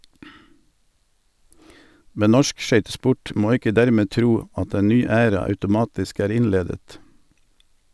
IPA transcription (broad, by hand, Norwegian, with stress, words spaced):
ˈmɛn ˈnɔʃk ˈʃœʏtəˌspʊʈ ˈmoː ˈɪkə ˈdæɾˌmeː ˈtɾuː ˈɑt ˈeːn ˈnyː ˈæːɾɑ ɑʉtʊˈmɑːtɪsk ˈæːʁ ˈɪnˌleːdət